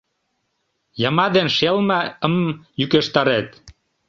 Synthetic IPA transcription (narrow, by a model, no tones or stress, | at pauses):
jɑmɑd̪enʃelmɑə̆mjykeʃt̪ɑɾet̪